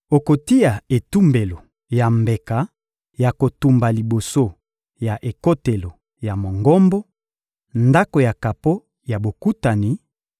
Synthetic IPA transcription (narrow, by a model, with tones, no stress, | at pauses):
o˨ko˨ti˦ja˨e˨tu˦mbe˨lo˨ | ja˨mbe˨ka˨˦ | ja˨ko˨tu˨mba˨li˨bo˨so˦ | ja˨ʔe˨ko˦te˨lo˨ | ja˨mo˨ŋɡɔ˦mbɔ˦ | nda˦ko˨ja˨ka˨po˦ | ja˨bo˨ku˦ta˨ni˨˦